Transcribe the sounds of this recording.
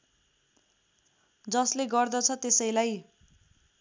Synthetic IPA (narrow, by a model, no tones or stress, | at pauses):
d͡zʌsleɡʌrd̪ʌt͡sʰʌt̪esʌjlaj